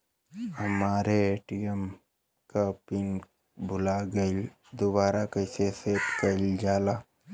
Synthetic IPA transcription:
hɐmaːɾeeʈijəm | kapɪn | bʱʊlaɡəɪl | d̪ʊbaːɾakəɪseseːt̪kəld͡ʒaːlaː

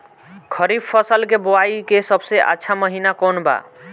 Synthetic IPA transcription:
kʰʌɾibpʰːʌsəlkeboaikesʌbseʔa̰tːʃʰamʌɦinakonba̰

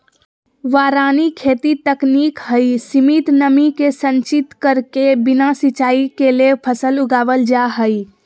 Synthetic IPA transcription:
ʋaːɾaːnikʰeːt̪it̪əkniːkɦəisimit̪nəmikesə̃ɲt͡ʃɪt̪kəɾkebɪnasɪt͡ʃaːikelepʰəsəlʊɡaːʋəld͡ʒaɦəi

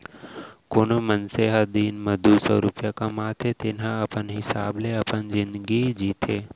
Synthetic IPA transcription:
konomənseɦad̪iːnməd̪ʱusəɾupjakamat̪ʰet̪enãəpənɦɪsaːbleəpənd͡ʒɪnd̪ɡid͡ʒit̪ʰe

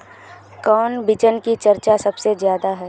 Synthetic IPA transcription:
kɔːnbɪt͡ʃənkit͡ʃɐɾt͡ʃasɐbsezjaːd̪aɦɛː

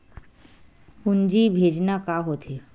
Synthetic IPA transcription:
und͡ʒibʱed͡ʒnakaɦot̪ʰe

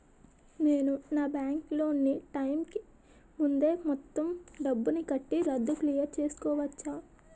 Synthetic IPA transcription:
neːnunaːbjaːŋklo̞ːniʈɐjmki | mund̪e̞ːmɔt̪ːɐmɖɐbːunikɐʈːiɾɐd̪ːuklijɐɾt͡ʃe̞ːsu̥kɔːʋɐt͡ʃːaː

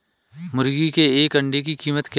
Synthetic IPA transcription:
mʊɾɡikeːkɐ̃ɳɖekikiːmət̪k

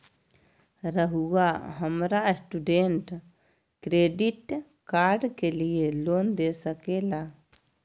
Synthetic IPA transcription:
ɾəɦuaɦəmɾasʈuɖeɳʈ | kɾeɖiʈ | kaɾɖkelielond̪esəkela

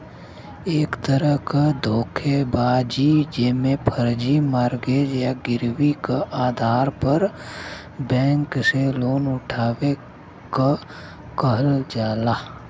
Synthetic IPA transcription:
eːkt̪əɾəɦkad̪ʱoːkʰebaːd͡ʒid͡ʒeːmẽpʰəɾd͡ʒimaːɾɡeːd͡ʒjaɡɪɾwikaʔaːd̪ʱaːɾpəɾ | bɛ̃ːŋkseloːnʊʈʰaːʋe | ka | kəɦəld͡ʒaːlaː

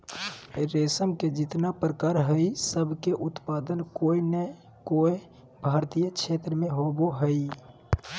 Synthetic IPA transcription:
ɾesəmked͡ʒɪt̪napɾəkaɾɦəisəbʱkeʔut̪pad̪ənkoinə | koe | bʱaːɾt̪ijət͡ʃʰet̪ɾəmẽɦoboɦəi

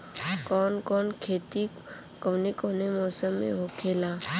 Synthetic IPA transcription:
kɔːnkɔːnkʰeːt̪i | koːnekoːnemɔːsəmːḛ̃ɦoːkʰeːlaː

